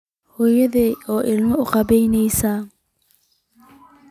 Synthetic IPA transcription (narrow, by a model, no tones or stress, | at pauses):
hɔːjɐðɛʔɔːʔɪlmɔʊqɑbɛjnɛjsa